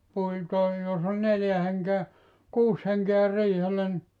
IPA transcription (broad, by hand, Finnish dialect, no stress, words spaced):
pui tɑi jos olʲ neljæ heŋkeæ kuːs heŋkeæ riːhelːæ ni